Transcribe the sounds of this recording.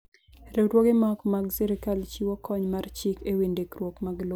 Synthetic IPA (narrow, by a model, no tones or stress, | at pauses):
ɾeɾwoɡemakmaɡsɛɾɪkalt͡ʃiwɔkɔɲmart͡ʃikewindekɾwokmaɡlo